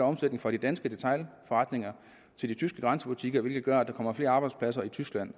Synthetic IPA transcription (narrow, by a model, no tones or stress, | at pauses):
ɒ̽msed̥ne̝ŋ̩fʁɒ̈ɾ̥id̥ænsɡ̥əd̥e̝t͡sʰɑ̈ɪlfɒʁɑ̈d̥ne̝ŋɐ | t͡sʰe̝ld̥it͡sʰysɡ̥əɡ̥ʁɑ̈nsəb̥ut͡sʰiɡ̥ɐɒʋe̝lɡ̥ð̩ˠɡ̥ɶɐ̰d̥ɑ̈kʰɒ̽m̰ɐfle̝ːɐɑːbɑ̈ɪd̥spʰlæsɐit͡sʰysɡ̥læn̰